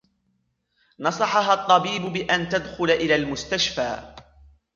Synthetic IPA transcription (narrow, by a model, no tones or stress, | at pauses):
nɑsˤɑħɑɦat̪ˤːɑbiːbʊbɪʔant̪ad̪xʊlaʔɪlaːlmʊst̪aʃfaː